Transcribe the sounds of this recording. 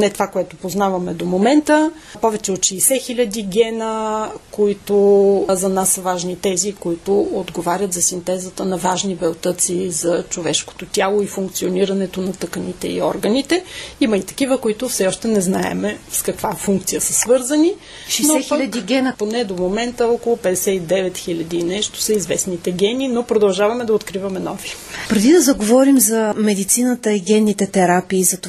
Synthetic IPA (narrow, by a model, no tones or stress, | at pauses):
nɛt̪ovakoɛt̪ʊpoznavɐmɛd̪omomɛnt̪ə | pɔvɛt͡ʃɛot̪ʃɛjsɛxilʲɐd̪iɡʲɛnəkoit̪ʊzɐnasvaʒnit̪ɛzikoit̪ʊod̪ɡovaɾʲət̪zɐsint̪ɛzət̪ənɐvaʒnibɛlˠt̪ət̪sizɐt͡ʃovɛʃko̥t̪ot̪ʲjalˠoifuŋkt̪sioniɾɐnɛt̪onɐt̪əkənit̪ɛḭɔ̰ɾɡənit̪ɛimɐit̪ɐ̥kivəkoit̪ʊfsɛɔʃt̪ɛnɛznaɛ̰mɛskɐkvafuŋk̚t̪sijəsəsvɤɾzɐni | ʃɛjnsoɛxilʲʎɐd̪iɡʲɛnəponɛd̪omomɛnt̪əɔkolˠʊpɛd̪ɛsɛt̪id̪ɛvɛt̪xilʲɐd̪inɛʃt̪o̥sɐizvɛsnit̪ɛɡʲɛnʲinopɾod̪ɐlˠʒavɐmɛd̪ɐot̪kɾivɐmɛnɔvi | pɾɛd̪id̪ɐzɐɡovɔɾimzɐmɛd̪it̪sinət̪əiɡʲɛnːit̪ɛt̪ɛɾapiːzɐt̪o